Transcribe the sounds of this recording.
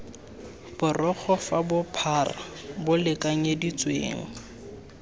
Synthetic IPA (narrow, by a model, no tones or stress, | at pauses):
b̥ʊrɔk͡xʰɔfabʊpʰara̰bʊlɪkʼaŋ̩edit͡sʼwḛːŋ̩